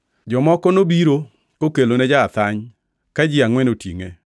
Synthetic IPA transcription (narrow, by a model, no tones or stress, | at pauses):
d͡ʒɔmɔkɔnobiɾo | kokelonɛd͡ʒaːt̪aɲ | kad͡ʒɪaŋwɛnotḭŋe